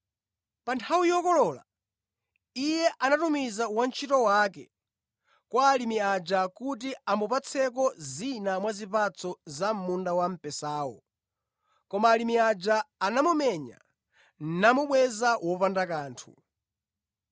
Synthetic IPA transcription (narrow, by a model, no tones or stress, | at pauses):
pantʰawijɔkɔlɔla̰ | ijɛʔanatumizawant͡ʃʰitɔwaːkɛ | kwaːlimiad͡ʒakut̬iambupat͡sʰɛk̬ɔzinamwazipat͡sʰɔzam̩mundawam̩pɛsaːwɔ̰ | kɔmaːlimiad͡ʒaːnamumɛɲa̰ | namuɓwɛzawɔpandakaːntʰṵ